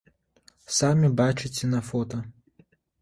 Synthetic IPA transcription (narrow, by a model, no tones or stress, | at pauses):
samʲibat͡ʂɪt͡sʲɛnɐfɔt̪ɐ